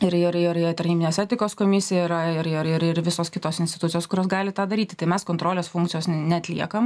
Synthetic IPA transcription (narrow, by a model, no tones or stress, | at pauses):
ɪɾɪɾɪɾɪt̪ɐɾʲnʲiːbʲɪnʲeːsɛːt̪ʲɪkoːskoːmʲɪsʲɪjɛiɾɐɪɾɪɾɪɾɪɾʋʲɪsoːskʲɪt̪oːsɪnʲsʲt̪ʲɪt̪ʊt̪t͡s̪ʲɪjoːskʊɾʲoːsɡɑːlʲɪt̪ɑːd̪ɐɾʲiːt̪ʲɪ̥t̪ɐɪmʲɛskoːnt̪ɾoːlʲeːsfʊŋkt̪t͡s̪ʲɪjoːsnnʲɛɐt̪ʲlʲḭɛkɐm